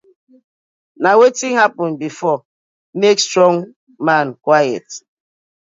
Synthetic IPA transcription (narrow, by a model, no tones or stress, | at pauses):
nawetiŋhapɔnbifɔ | mekstɹɔ̃ŋ | mankwajɛ̰t